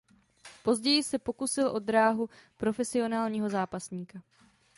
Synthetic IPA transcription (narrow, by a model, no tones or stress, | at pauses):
po̞zɟɛjɪsɛpo̞kusɪlʔo̞d̪ɾaːɦupɾo̞fɛsɪo̞naːlɲiːɦo̞zaːpasɲiːka